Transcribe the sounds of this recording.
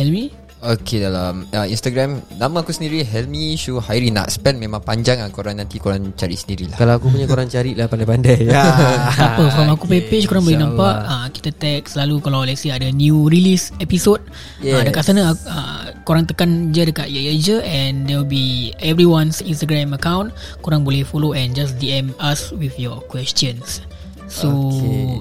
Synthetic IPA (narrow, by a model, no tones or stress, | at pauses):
hɛlmĩ | okedalaməinst̪aɡɾɛmnamaːkusəndiɾiɦɛlmiʃuhaiɾina̰ʔsə̥pɛnmẽmãŋpaɲd͡ʒaŋakoɾaŋnːãnt̪ikoɾaŋt͡ʃaɾḭʔsəndiɾilahkalawakupuɲakoɾaŋt͡ʃaɾiʔlapandajpandajasapəkoɾaŋakupepet͡ʃkoɾaŋbolinãmpaʔəki̥t̪at̪ɛk̚səlalukalawlɛsiadanjurilisɛpisot̚ | adəkaʔsanəaə̰koɾaŋt̪əkand͡ʒadəkaʔjad͡ʒəɛndɛwilbiɛvɾiwãnsinst̪aɡɾɛ̃məkawnkuɾaŋbolɛhfoloɛ̃nd͡ʒas̬diɛmaswifjɔkwɛst͡ʃə̃nsː | o